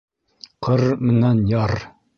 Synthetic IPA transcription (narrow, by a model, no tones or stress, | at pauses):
qʰɤɾmɘ̆nænjɑɾ